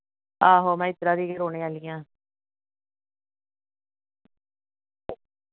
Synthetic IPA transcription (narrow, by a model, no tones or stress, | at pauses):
aːɦoːmɛ̃ːɪt̪ɾãːd̪iːɡeːɾoːneːaːlɪjãː